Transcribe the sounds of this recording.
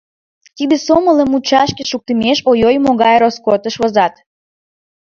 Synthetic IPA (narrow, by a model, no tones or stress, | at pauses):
t̪id̪esomələmut͡ɕɑʃkeʃuk̚t̪əmeʃojojmoɣɑjɾoskot̪əʃβozɑt̪